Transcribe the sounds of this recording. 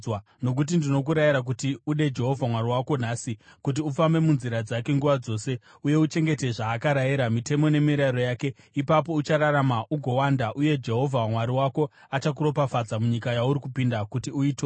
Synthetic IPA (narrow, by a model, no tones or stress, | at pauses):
no̞k̬ut̬indino̞k̬uɾajiɾak̬utiuɗe̞d͡ʒe̞ɦo̞vʱamwaɾiwako̞n̤aːsikut̬iufambe̞munziɾad͡zake̞ŋɡuʋad͡zo̞se̞ | uje̞ut͡ʃe̞ŋɡe̞te̞ʐaːkaɾajiɾamite̞mo̞ne̞miɾaiɾo̞jaːke̞ | ipapo̞ut͡ʃaɾaɾamaʔuɡʱo̞wandaʔuje̞d͡ʒe̞ɦo̞vʱamwaɾiwako̞ | at͡ʃak̬uɾo̞pafad͡zamuɲikajauɾikupindakutiuiːto